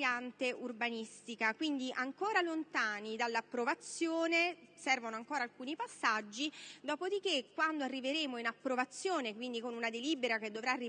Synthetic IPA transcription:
jant̪eurbanist̪ikakwind̪iʔaŋkoːɾalont̪aːnid̪alːapːɾovat̪sːjoːnesɛrvonoaŋkoːɾalkuːnipasːad͡ʒːid̪ɔːpod̪ik̟ekːwand̪oarːiveɾeːmoinapːɾovat̪sːjoːnekwind̪ikonunad̪eliːbeɾaked̪ːovɾaːri

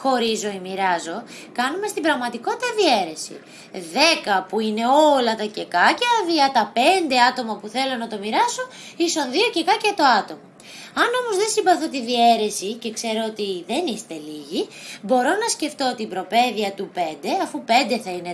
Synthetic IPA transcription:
xo̞ɾizo̞imiɾɐzo̞ | kɐnume̞st̪ibɾɐɣmɐt̪iko̞t̪it̪ɐðie̞ɾe̞sḭ | ðe̞kɐpuine̞o̞lɐt̪ɐce̞kɐcɐðiɐt̪ɐpe̞nd̪e̞ɐt̪o̞mɐpuθe̞lo̞nɐt̪o̞miɾɐso̞ | isonðiocekɐcɐt̪o̞ɐt̪o̞mɐ | ɐno̞mo̞zðe̞nsimbɐθo̞t̪iðie̞ɾe̞sice̞kse̞ɾoot̪iðe̞nist̪e̞liʝibo̞ɾo̞nɐsce̞ft̪o̞t̪ibɾo̞pe̞ðiɐt̪upe̞nd̪e̞ɐfupe̞nd̪e̞θɐine

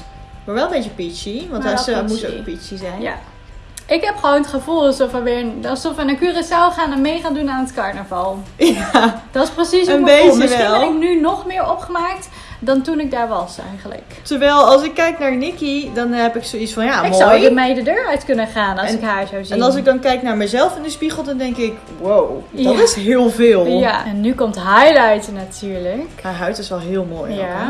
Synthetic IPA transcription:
maːɹʋɛlˠə̃mbet͡ʃəpisiʋɑntamutpisizɛjnja̰ | ʔɪkɦɛpχəʋownətχəvulˠsɔfəʋɪɹɑsofənakyːrəsawχaːnɛnmejχaːndunaːnətkɑɹnəvɑlˠjad̥ɔtɪsprəsisənbeəɛlˠɪnynɔχmɪːɹɔpχəmaːk̚t | dɔntunɪk̚daːɹʋɑsɛ̰jχələ̰ktəɹʋɛjlˠɑlˠs̬ɪkːɛjknaːɹnikidɔnɦɛpɪksowitsfɔnjaɪmoɔwdəmejdədøːɹœɥtkɵnənχaːnlsɪkɦaːɹzowziɛnɑlˠs̬ɪɡ̚dɑnkɛjknaːɹmɛjzɛlˠfɪndəspiχəlˠdɔndɛŋkɪk | wowjɔtɪsɦɪːlˠvɪːlˠjaɛnːykɔmtɦajlajtnatyːɹləkaːɹɦœɥtɪsʋɛlˠɦɪːlˠmo̰ːja

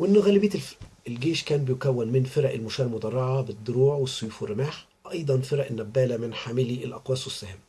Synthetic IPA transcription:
wʔenːɣæːlɪbeːt̪elɡeːʃkæːnbɪjʊkæwːɪnmɪnfeɾæʔelmʊʃæːllmʊd̪ˤɑrˤːɑʕɑbɪd̪ːʊɾuːʕwesːojuːfwɪrːɪmaːħ | ʔɑjd̪ˤɑnfeɾæʔɪnːæbːæːlæmɪnħaːmɪliʔelʔɑqwæːswesːæhɪm

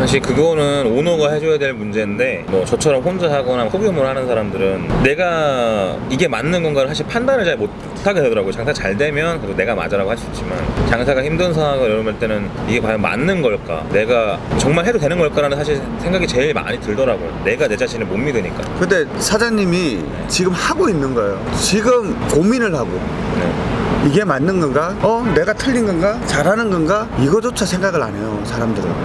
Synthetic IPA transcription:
sʰaɕ̬ʰiɭkɯɡʌnɯnonoɡaɦe̞d͡ʑojadweɭmund͡ʑe̞nde̞mʌt͡ɕʌt͡ɕʰʌɾʌmɸond͡ʑaɦaɡʌnamsʰoɡjomɯɾɭhanɯnsʰaɾamdɯɾɯnne̞ɡa | iɡe̞manːɯnɡʌnɡaɾɯnsʰaɕ̬ʰiɭpʰandanɯɭt͡ɕaɭmot | tʰaɡe̞de̞dʌɾaɡot͡ɕaŋsʰat͡ɕaɭdwe̞mjʌnksone̞ɡama̰d͡ʑʌɾaɡohaɕʰit͡ɕ͈ima̰nt͡ɕaŋsʰaɡaçimdɯnsʰaaɡɯjʌɾʌmɯɭt͈e̞nɯniɡe̞pajʌnma̰nːɯnɡʌɭk͈a̰ne̞ɡat͡ɕʌŋmaɭɦe̞dode̞nɯnɡʌɭk͈aɾanɯnsʰaɕ̬ʰiɭ | sʰeŋɡaɡit͡ɕe̞iɭma̰ɲitɯɭdʌɾaɡojo̰neɡane̞d͡ʑaɕʰinemomːidweɲik͈a̰kɯnde̞sʰad͡ʑaɲimi | t͡ɕiɡɯmhaɡoinːɯnɡʌejot͡ɕiɡɯmkomːinɯɭhaɡo̰ | ne̞̰iɡe̞manːɯnɡʌnɡaʌne̞ɡatʰɯʎːinɡʌnɡat͡ɕaɾɦanɯnɡʌnɡa | iɡʌd͡ʑot͡ɕʰasʰe̞ŋɡaɡɯɭa̰ɲe̞josʰaɾamdɯɾi

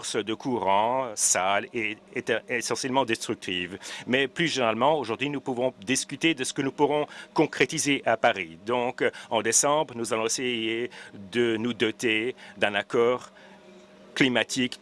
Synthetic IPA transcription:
ʁsd̪əkʰuʁɑ̃saleesɑ̃sjɛlmɑ̃d̪ɛst̪χyk̚t̪ʰivmɛplyʒeneʁalmɑ̃oʒuʁd̪ɥinupuvɔ̃d̪iskʲyt̪ed̪əsə̥kənupuʁɔ̃kɔ̃kχet̪izeʔapaʁid̪ɔ̃kɑ̃d̪esɑ̃bʁənuzalɔ̃esejed̪ənud̪ɔt̪ed̪ɛ̃nakɔːʁ | klimat̪ʰik

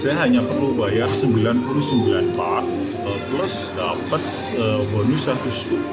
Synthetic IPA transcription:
sajaɦaɲapərlubajarsəmbilanpulusəmbilanpat̪̚ | əplʊs | dapət̪̚s | əbɔnusant̪ust̪u

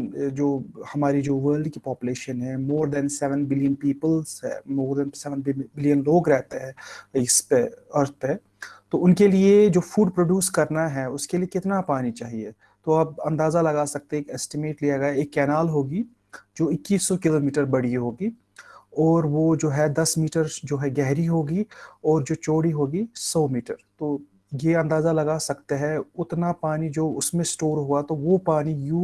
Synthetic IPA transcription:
d͡ʒoːhɐmaːɾid͡ʒoːʋəːɾlɖkipaːpuleːʃənɦɛmoːɾd̪ɛnsɛʋənbɪlijənpiːpəlzɛ̰moːɾd̪ɛnsɛʋənbɪlijənloːɡɾɛɦt̪eɦɛ̃ːɪspeɐɾt̪̚ʰe | t̪oʊnkelied͡ʒoːfʰuːɖpɾoːɖjuːskɐɾnaɦɛʊskeliekɪt̪napaːnit͡ʃaːɦie | t̪oːaːb̚ɐ̃nd̪aːzalɐɡaːsɐk̚t̪eɦɛ̃kiɛsʈɪmeːʈliaɡaaeːkːɛːnaːlɦoːɡi | d͡ʒoːɪkːiːsːɔkɪloːmiːʈəɾbɐɽ̤iɦoːɡiː | ɔːɾʋod͡ʒoːɦɛd̪ɐsmiːʈəɾd͡ʒoːɦɛɡɛɦɾiɦoːɡiɔːɾd͡ʒoːt͡ʃoːɽiɦoːɡisɔːmiːʈəɾt̪oː | jeɐ̃nd̪aːzalɐɡaːsɐkt̪eɦɛʊt̪napaːnid͡ʒoːʊsmẽsʈoːɾɦoat̪oʋopaːnijuː

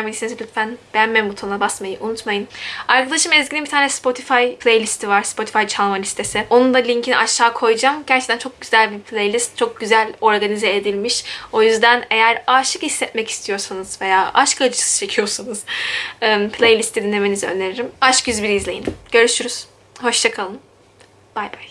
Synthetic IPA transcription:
milʲisinizlʲyt̪fænb̥ænmɛmbut̪ʰonˠabasmajɯʔunut̪majɯnaɾkʰad̪ˠaʃɯmɛzɟinibit̪ʰaːnʲɛspʰo̞t̪ʰifajpʰlʲejlʲist̪ʰivaɾspʰo̞t̪ʰi̥fajt͡ʃʰalˠmalʲist̪ʰe̞sɪo̞nund̪alʲiɲcʰiniʔaʃːaːkʰo̞jd͡ʒamɟæɾt͡ʃʰe̥kt̪ænt͡ʃʰo̞k̚ɟyzælʲbipʰlʲejlʲist̪̚t͡ʃʰo̞k̚ɟyzælʲo̞ɾɡanizeːd̪ilʲmiʃo̞jyzd̪æne̞jæɾaːʃɯkhisːɛt̪mɛci̥st̪ʰijo̞ɾsanɯz̥ve̞jaːʔaʃkad͡ʒɯsɯ̥t͡ʃʰe̞cʰijo̞ɾsanɯz̥ɛpʰlʲejlʲist̪ʰid̪inːemenizø̰nd̪e̞ɾiɾimaʃkjyzbiɾizlʲe̞jinɟ̥ø̞ɾyʃyɾyz̥ | ho̞ʃt͡ʃʰakʰalˠɯn | b̥ajbaj

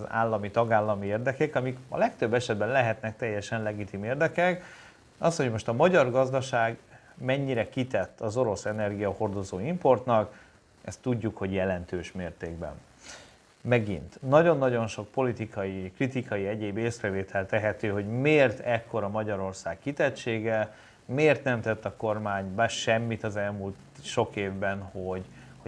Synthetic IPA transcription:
za̰ːlːɒmit̪ɒɡaːlːɒmieːrd̪ɛkɛkɒmikɒ̰lɛkt̪ø̞bːɛʃɛd̪bɛnlɛɦɛt̪nɛk̚t̪ɛjːɛʃɛnlɛɡit̪imeːrd̪ɛkɛk | ɒsho̞ɟmo̞ʃt̪ɒmɒɟɒrɡɒzd̪ɒʃaːɡ | mɛɲːiɾɛkit̪ɛt̪ːɒzo̞ɾo̞sɛnɛrɡijɒho̞rd̪o̞zoːimpo̞rt̪nɒk | ʔɛst̪ːuɟːukho̞ɟjɛlɛnt̪øːʃmeːrt̪eːɡ̚bɛ̰n | mɛɡḭnt̪nɒɟo̞nːɒɟo̞nʃo̞k̚po̞lit̪ikʰɒjikrit̪ikʰɒjiɛɟeːbeːsrɛveːt̪ʰɛlt̪ɛɦɛt̪øːɦo̞ɟmeːrt̪ʰɛkːo̞ɾɒmɒɟɒɾo̞rsaːkkit̪ɛt̪ʃeːɡɛ | meːrt̪nɛmt̪ɛt̪ːɒko̞rmaːɲbaʃɛmːit̪ɒzɛlmult̪ʃo̞keːvbɛnho̞ɟ | ho

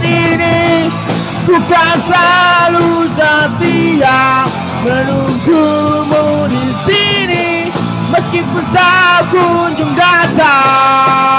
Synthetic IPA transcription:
ini | sukaslalusat̪ija | mənuŋɡumudi | sini | məskɪnpusakuɲd͡ʒumdat̪a

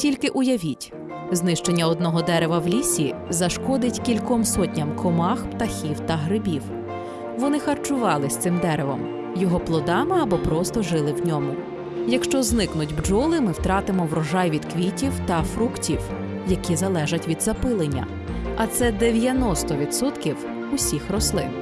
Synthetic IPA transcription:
tʲilʲkɪʔʊjɐʋʲitʲ | znɪʃt͡ʃenʲːɐɔd̪nɔɦɔd̪ɛɾeʋɐwlʲisʲizɐʃkɔd̪ɪtʲkʲilʲkɔmsɔtʲnʲɐmkʰɔmɑxpt̪ɐxʲiwt̪ɐɦɾɪbʲiw | ʋɔnɪxɐrt͡ʃʊʋɑlˠɪsʲt̪sɪmd̪ɛɾeʋɔm | jɔɦɔplˠɔd̪ɑmɪɐbɔpɾɔst̪ɔʒɪlˠɪwnʲɔmʊ | jɐkʃt͡ʃɔznɪknʊdʲbd͡ʒɔlˠɪmɪwt̪ɾɑt̪ɪmɔʋɾɔʒɑjʋʲid̪kʋʲitʲiwt̪ɐfɾuktʲiw | jɐkʲizɐlˠɛʒɐtʲʋʲid̪zɐpɪlˠenʲːɐ̰ | ɐt̪sɛd̪eʋʲjɐnɔst̪ɔʋʲid̪sɔt̪kʲiw | usʲixrɔslˠɪ

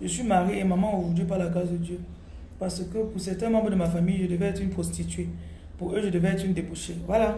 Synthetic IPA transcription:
ʒəsimaɾiemamaovud͡ʒəp̬alaɡazəd͡ʒə | pasəkəkusɛtɛmabənəmafamiʒədəvɛtipʰostite | pueʒədəvɛtin̩debuʃewala

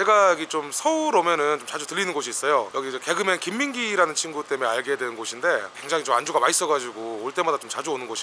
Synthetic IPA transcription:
t͡ɕe̞ɡajʌɡit͡ɕomsʰʌuɾomjʌnɯnt͡ɕomt͡ɕad͡ʑutɯʎːinɯnɡoɕʰiːs͈ʌjojʌɡid͡ʑeke̞ɡɯmenkimːinɡiɾanɯnt͡ɕʰinɡut͈e̞me̞aɭɡeadwenɯnɡoɕʰinde̞kwe̞ŋd͡ʑaŋit͡ɕomand͡ʑuɡamais͈ʌɡad͡ʑiɡooɭt͈e̞madat͡ɕomt͡ɕad͡ʑuonɯnɡoɕʰi̥

